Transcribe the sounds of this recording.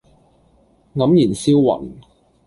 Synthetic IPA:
ŋɐ˨˥mjiː˨˩nsiː˥wwɐ̰˨˩n

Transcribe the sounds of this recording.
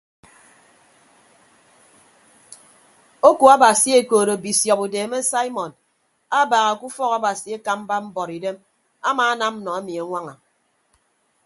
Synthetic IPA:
o˦ku˨a˦ba˨si˦e˨koː˨ɾo˨bi˨sjɔ˨pu˨deː˨me˦sa˦i˦mɔ˨n | a˦baː˨ɣa˨ku˦fɔ˦ka˦ba˨si˨e˦ka˦m̩˦ba˦m̩˦bɔ˨ɾi˨de˦m | a˦maː˨˦a˦na˦m̩˦nɔ˨e˦mi˨a˨˦ŋʷa˦ŋa˨

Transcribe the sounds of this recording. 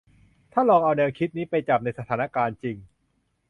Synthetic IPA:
t̪ʰaː˥˩lɔː˧ŋʔa˧wnɛː˧wkʰi˦˥t̪̚niː˦˥pa˧jt͡ɕa˨˩p̚na˧jsa˧t̪ʰaː˩˦na˦˥kaː˧nt͡ɕi˧ŋ

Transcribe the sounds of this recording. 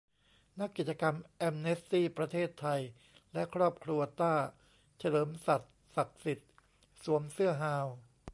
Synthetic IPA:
na˦˥kːi˨˩t̪̚t͡ɕa˧ka˧mʔɛ˧mne˦˥stiː˥˩pɾa˧t̪ʰeː˥˩t̪ʰːa˧j | lɛ˦˥kʰɾɔː˥˩p̚kʰɾu˧ɐt̪aː˥˩ | t͡ɕʰa˧lɤː˩˦msa˨˩t̪̚ | sa˨˩k̚si˨˩t̪̚ | su˩˦əmsɯ˥˩ɐɦaː˧w

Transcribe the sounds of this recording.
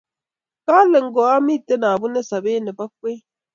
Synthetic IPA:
ka˦le˨ŋ̩˨ɡɔ˨a˦mi˦˨te˦na˨bu˦ne˦sa˨beː˦ne˨ba˦k̚we˦

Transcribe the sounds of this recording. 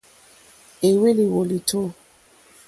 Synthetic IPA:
e˨we˦li˨wo˨li˨tʰo˦

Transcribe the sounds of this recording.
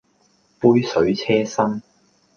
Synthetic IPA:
puː˥jsɵ˨˥ɥt͡sʰɛː˥sɐ˥ŋ

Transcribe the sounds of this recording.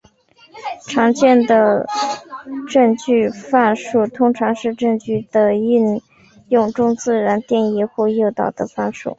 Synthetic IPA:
ʈ͡ʂʰɑ˧˥ŋt͡ɕjɛ˥˩nd̪ə˩ | ʈ͡ʂɤ˥˧ŋt͡ɕy˥˧fa˥˧nʂu˥˩t̪ʰʊ˥ŋʈ͡ʂʰɑ˧˥ŋʂɻ̩˥˧ʈ͡ʂɤ˥˧ŋt͡ɕy˥˩d̪ə˩i˥˧n | jʊ˥˩ŋʈ͡ʂʊ˥ŋt͡sɹ̩˥˩ɻa˧˥nt̪jɛ˥˩ni˧˥xwɔ˥˧jo˥˧t̪ɑ̰˥˩ʊd̪ə˩fa˥˧nʂṵ˥˩

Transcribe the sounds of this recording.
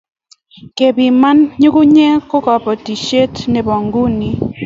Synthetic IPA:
ke˨bi˨ma˦nɲu˦ku˦ɲɛ˦kʊ˦kɔ˨pɔ˨ti˨ʃe˦tne˨bɔ˨ŋɡu˦ni˨

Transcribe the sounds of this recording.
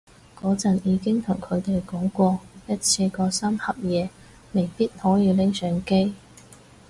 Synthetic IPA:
kɔː˨˥t͡sɐ˨njiː˨˧kɪ˥ŋt̪ʰʊ˨˩ŋkʰɵ˨˧ɥt̪e˨jkɔː˨˥ŋkʷɔː˧jɐ˥t̚t͡sʰiː˧kɔː˧sɐ˥mhɐ˨p̚jɛː˨˧ | me˨˩jpiː˥t̚hɔː˨˥jiː˨˧lɪ˥ŋsœː˨˥ŋke˥j

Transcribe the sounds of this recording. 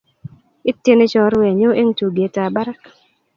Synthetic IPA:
ɪ˦tːje˦ne˦t͡ʃɔ˦ɾwɛ˨ɲʊ˦ʔe˦ŋtu˨ɡe˨ta˨ba˦ɾa˦k

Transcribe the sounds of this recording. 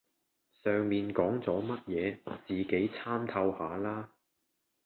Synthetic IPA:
sœː˨ŋmiː˨nkɔː˨˥ŋt͡sɔː˨˥mɐ˥t̚jɛː˨˧t͡siː˨ke˨˥jt͡sʰaː˥mt̪ʰɐ˧whaː˨˧laː˥

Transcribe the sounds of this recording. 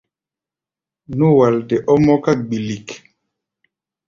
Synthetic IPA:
nu˦waldɛʔɔ˦mɔ˦ka˦ɡ͡bi˨lik

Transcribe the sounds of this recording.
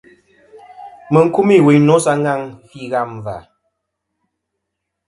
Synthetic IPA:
mə˨ŋ̩˦ku˦mi˦˨wi˨ɲ˦no˨˦sa˦ŋɡa˦˨ŋfi˦˨ɣa˦˨m˨va̰˨

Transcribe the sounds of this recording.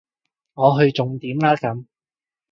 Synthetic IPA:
ŋɔː˨˧ɦɵ˧ɥt͡sʊ˨ŋt̪iː˨˥mlaː˥kɐ˨˥m

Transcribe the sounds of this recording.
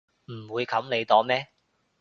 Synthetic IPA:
m̩˨˩wuː˨˧jkʰɐ˨˥mne˨˧jt̪ɔː˨˥mɛː˥

